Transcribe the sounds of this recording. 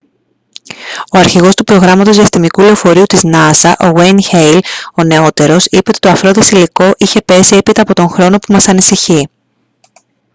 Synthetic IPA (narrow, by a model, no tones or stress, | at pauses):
o̞ɐɾçiɣo̞st̪upɾo̞ɣɾɐmɐt̪o̞zðiɐst̪imikuleo̞fo̞ɾiut̪iznɐsɐʔo̞ɣwejnçejlo̞ne̞o̞t̪e̞ɾo̞sipeo̞t̪it̪ɐfɾo̞ðesiliko̞ʔiçe̞pe̞sie̞pit̪ɐːpo̞t̪o̞ŋxɾo̞no̞pumɐsɐnisiçi